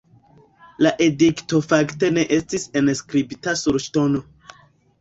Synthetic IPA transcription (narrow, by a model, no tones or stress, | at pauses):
laʔe̞dikto̞fakte̞ne̞ʔe̞stise̞nskɾibitasuɾʃtono̞